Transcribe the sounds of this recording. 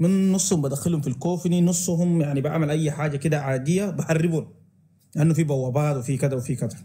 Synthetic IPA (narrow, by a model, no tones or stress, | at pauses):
minːʊsˤːhumbad̪axalhumfilkoːfininʊsˤːɦumjaʕnibʔa̰ʕmalʔajːħaːd͡ʒakid̪aʕaːd̪ijːabɪħarːibuːn | lɪʔanːufibawːabaːt̪wifikad̪awfikad̪a